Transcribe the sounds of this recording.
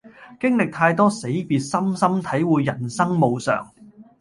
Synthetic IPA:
kɪ˥ŋlɪ˨k̚t̪ʰaː˧jt̪ɔː˥se˨˥jpiː˨˧t̚sɐ˥msɐ˥mt̪ʰɐ˨˥jwuː˨˧jjɐ˨˩nsɐ˥ŋmo˨wsœ̰ː˨˩ŋ

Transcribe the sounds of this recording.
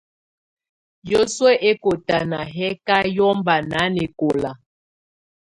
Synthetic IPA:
jo˦swɛ˦ʔe˦ko˨ta˨na˨ɦɛ˦ka˦jɔ˦mba˨na˨˦ne˨ko˨la˨

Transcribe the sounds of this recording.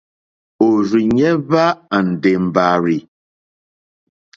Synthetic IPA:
o˨ɾi˨ɲɛ˦βa˦a˨n̩˨de˨m˨ba˨ɾi˨

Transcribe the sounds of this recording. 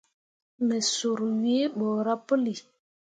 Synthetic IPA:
mə˨so˨ɾu˨wi˦bɔ˨ɾa˦pə˦li˨

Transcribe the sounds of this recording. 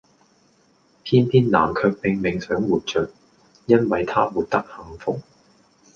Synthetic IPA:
pʰiː˥np̪ʰiː˥nla̰ː˨˩mkʰœː˧k̚pɪ˨ŋmɪ˨˩ŋsœː˨˥ŋwuː˨t̚t͡ʃœː˨k̚ | jɐ˥nwɐ˨jt̪ʰaː˥muː˨˩t̚t̪ɐ˥k̚hɐ˨˧mfʊ˨k̚

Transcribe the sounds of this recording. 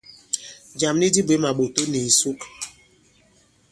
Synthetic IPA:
d͡ʒa˨m˦ni˦di˦be˨˦ma˨ɓo˨to˦ni˨su˦k

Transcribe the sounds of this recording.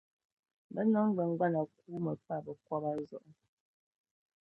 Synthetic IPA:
bə˦nɔ˨˦ŋ˦bə˨ŋ˦ɡa˦na˨kuː˦mə˨pa˦˨bə˨kwɔ˦ba˦zɔ˨ʔ

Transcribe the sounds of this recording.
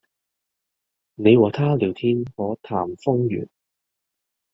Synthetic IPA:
ne˨˧jwɔː˨˩t̪ʰaː˥liː˨˩wt̪ʰiː˥nhɔː˨˥t̪ʰaː˨˩mfʊ˥ŋjy̰ː˨˩n

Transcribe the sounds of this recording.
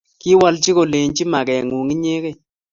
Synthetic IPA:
ki˦wa˦lt͡ʃi˦ko˨le˨ɲt͡ʃi˦ma˨kɛ˨ŋu˨ŋi˦ɲe˦ke˦

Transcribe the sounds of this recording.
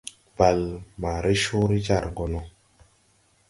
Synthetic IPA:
ba˨lma˨ɾe˦ʃu˦ɾi˦d͡ʒa˦˨ɾɡo˨nɔ˨

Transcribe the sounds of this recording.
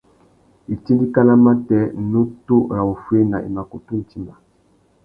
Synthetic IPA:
i˨ti˦ndi˦ka˦la˦ma˦tɛ˨˦˨nu˦to˦˨ɾa˨wu˨fwe˦na˨ʔḭ˨ma˨ko˨tu˦n̩˨ti˦ma˨

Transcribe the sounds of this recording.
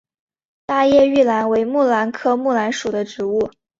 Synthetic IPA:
t̪a˥˧jɛ˥˧y˥˩la˧˥nwe˧˥ɪmu˥˩la˧˥nkʰɤ˥˧mu˥˩la˧˥nʂu˨˩d̪ə˦ʈ͡ʂɻ̩˧˥u˥˩

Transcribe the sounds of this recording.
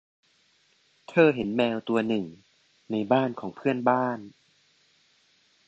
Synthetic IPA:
t̪ʰɤː˧˩ɦe˩˦nmɛː˧wt̪u˧ɐnɯ˨˩ŋ | na˧jbaː˥˩nkʰɔː˩˦ŋpʰɯ˥˩ənbaː˥˩n

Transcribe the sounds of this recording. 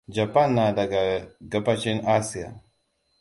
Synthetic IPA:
d͡ʒa˨pa˦nːa˨da˨ɡa˨ɡa˨pat͡ʃi˦na˦sia̰˨

